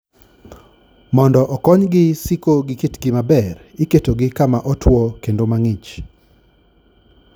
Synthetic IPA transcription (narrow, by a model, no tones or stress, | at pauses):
mɔndɔʔɔkɔɲɡɪsikoɡɪkitɡɪmabɛrɪketoɡɪkamaʔɔtwɔkendomaŋɪt͡ʃ